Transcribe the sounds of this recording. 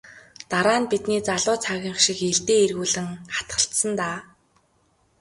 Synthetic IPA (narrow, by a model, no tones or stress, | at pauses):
t̪aɾaːnpit̪niːt͡saɮʊːt͡sʰaɣʲɪ̆ɴχʃɪ̆keɮt̪eːerɣuːɮɘ̆ŋχḁt̪ɢə̥̆ɬt̪sə̆nt̪aː